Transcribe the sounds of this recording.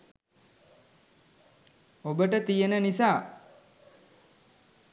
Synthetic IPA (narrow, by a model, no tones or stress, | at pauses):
obəʈət̪ijenənisaː